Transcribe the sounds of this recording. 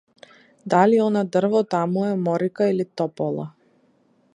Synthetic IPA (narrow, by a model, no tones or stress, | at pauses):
d̪aliɔnad̪r̩vɔt̪amuɛmɔɾikailit̪ɔpɔlˠa̰